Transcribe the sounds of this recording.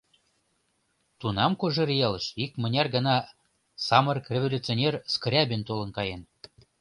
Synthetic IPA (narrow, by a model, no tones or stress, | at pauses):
t̪unɑmkoʒerjɑləʃik̚mə̆nʲɑrɡə̆nɑ | sɑmərkrʲevolʲut͡sionʲerskrʲæbʲent̪olə̆nkɑjen